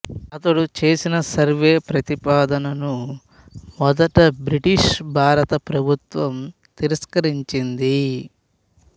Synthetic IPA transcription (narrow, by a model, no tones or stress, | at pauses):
ɐt̪ɐɽut͡ʃe̞ːsinɐsɐɾʋeːpɾɐt̪ipaːd̪ɐnɐnu | mɔd̪ɐʈɐbɾiʈiʂbʱaːɾɐt̪ɐpɾɐbʱut̪ʋɐm | t̪iɾɐskɐɾiɲt͡ʃind̪i